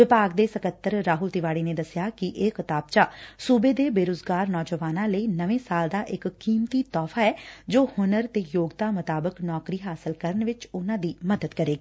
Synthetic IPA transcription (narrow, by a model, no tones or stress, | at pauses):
ʋɪpaːɡd̪eːsəkət̪ːəɾɾaːɦʊlt̪ɪʋaːɽiːneːd̪əsɪjaːkɪʔeːkɪt̪aːb̚t͡ʃaːsuːbeːd̪eːbeːɾoːd͡ʒɡaːɾnɔːd͡ʒəʋaːnãːləiːnəʋẽːsaːld̪aːʔɪkːiːmt̪iːt̪ɔːfʰaːɛːd͡ʒoːhʊnəɾt̪eːjoːɡt̪aːmʊt̪aːbəknɔːkɾiːɦaːsəlkəɾənʋɪt͡ʃʊnãːd̪iːməd̪əd̪kəɾeːɡaː